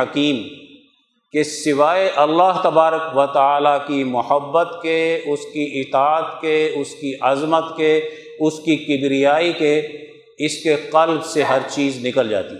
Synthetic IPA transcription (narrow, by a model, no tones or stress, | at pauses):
ɐkiːm | kesɪʋaːeʔɐlːaːɦt̪ɐbaːɾəkʋɐt̪əaːlakimʊhəbːət̪keʊskiɪt̪aːət̪keʊskiʔɐzmət̪ke | ʊskikɪbɾijaːike | ɪskeqɐlbseɦɐɾt͡ʃiːznɪkəld͡ʒa̰ːt̪i